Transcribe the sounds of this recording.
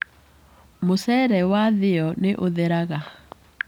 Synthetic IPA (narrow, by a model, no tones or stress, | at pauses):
mosɛɾɛwaðɪɔneʔoðeɾaɣa